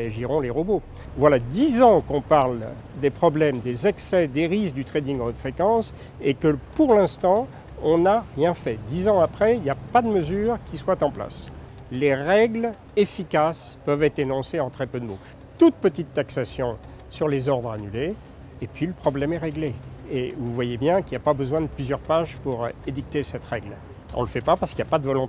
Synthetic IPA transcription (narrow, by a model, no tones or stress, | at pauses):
eaʒiʁɔ̃leʁobo | vwalad̪izɑ̃kɔ̃paʁl | d̪epχɔblɛmd̪ezɛksɛd̪eʁisd̪yt̪χɛd̪ĩŋɡ̃d̪fχekɑ̃s | ekəpuʁlɛ̃st̪ɑ̃ | ɔ̃naʁjɛ̃fɛd̪izɑ̃apχɛiljapad̪əməzyːʁkʲiswat̪ɑ̃pla̰s | leʁɛɡl | efikaspœvɛt̪χenɔ̃seɑ̃t̪χɛpød̪əmo | t̪ut̪̚pət̪it̪ːaksasjɔ̃ | syʁlezɔʁd̪ʁanyleː | pɥiləpχɔblɛmɛʁeɡleːvuvwajebjɛ̃kiljapabəzwɛ̃d̪əplyzjœʁpaʒpuʁed̪ik̚t̪esɛt̪ʁɛɡl | ɔ̰̃ləfɛpapaʁsəkiljapad̪əvɔlɔ̃t̪e